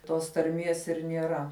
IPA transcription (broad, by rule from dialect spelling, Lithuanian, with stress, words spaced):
toːs tɐrʲˈmʲiɛs ɪr nʲiɛˈrɐ